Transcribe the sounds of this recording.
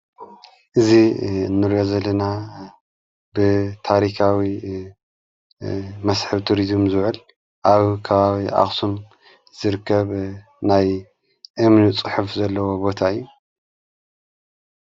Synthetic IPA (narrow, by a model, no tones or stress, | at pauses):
ʔɨzinːɨɾjo̞zɐlːɐna | bɨt̪ʰaɾikʰawi | mɐsħɨβt̪ʰuɾizmzɨβʕɨl | ʔaβkʰɐβaβiʔa̰xʼsum | z̥ɨɾɨkʰːɐβ | naj | ʔɨmnit͡sʼɨħufzɐlːɐwo̞bo̞t̪ʰaɨjːu